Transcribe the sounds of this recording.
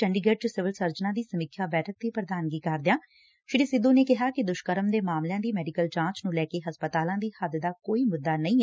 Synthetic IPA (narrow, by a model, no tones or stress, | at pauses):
t͡ʃəɳɖiːɡeːʈsɪʋɪlsəɾd͡ʒnãːd̪iːsəmɪkʰːjaːbɛːʈʰək̚t̪iːpɾəd̪aːnɡiːkəɾd̪ɪjaː | ʃɪɽiːsɪd̪õːneːkɪɦaːkɪd̪ʊʃkəɾəmd̪eːmaːmlɪjãːd̪iːmɛːɖikəld͡ʒãːt͡ʃnũːlɛːkeːɦəspət̪aːlãːd̪iːhəd̪d̪aːkoːiːmʊd̪ːaːnəĩːɛ